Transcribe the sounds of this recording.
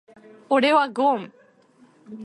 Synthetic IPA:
oɽewaɡom

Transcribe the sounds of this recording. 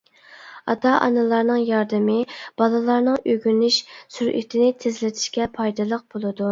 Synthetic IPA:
ɑt̪ʰɑʔɑ̰nɨlˠɑɾnɨŋjɑɾd̪ɨmɪb̥ɑlˠɨlˠɑɾnɨŋøɡʲynyʃsyɾʔy̰t̪ʰɪnɪt̪ʰɪzlɪt̪ʰɪ̥ʃkʲɛpʰɑjd̪ɨlˠəq̚b̥olˠɨd̪u

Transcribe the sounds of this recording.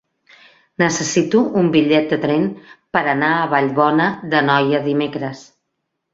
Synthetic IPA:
nəsəsit̪uumbiʎɛt̪̚d̪ət̪ɾɛnpəɾənaəβaʎβɔnəðənɔjəðimekɾəs

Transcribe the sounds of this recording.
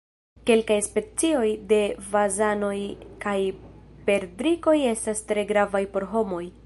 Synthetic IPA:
ke̞lkajspe̞t͡sio̞jde̞vazano̞jkajpe̞ɾdɾiko̞je̞stastɾe̞ɡɾavajpo̞ɾɦo̞mo̞j

